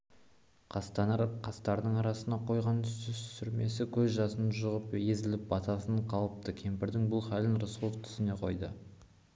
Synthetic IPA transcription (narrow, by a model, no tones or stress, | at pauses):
qʰɑst̪ɑɾqʰɑst̪ɑɾd̪əɴɑɾɑsənɑqʰo̞jʁɑnʏst̪ʏsʏɾme̞sɪkʲʰɵzʒɑsənʒʊʁəpje̞zɪlɪp̚bɑt̪ɑsəɴqʰɑlˠəp̚t̪əkʲʰe̞mpɪɾd̪ɪŋbʊlˠχalʲɪnrosulˠoft̪ʰʏ̥sɪne̞qʰo̞̰jd̪ə̰